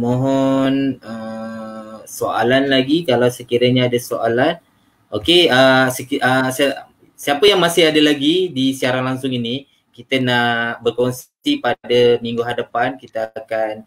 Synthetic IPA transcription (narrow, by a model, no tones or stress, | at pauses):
mõɦɔnə | soa̰lanlaɡikalawsəkiɾəɲaːdasoʔalan | okeəsəkiʔəs | siapəjaŋmasɪɦadəlaɡidisiaɾanlaŋsʊŋini | kit̪ənabərkɔns | ipadəmĩŋɡuɦadapankit̪əakan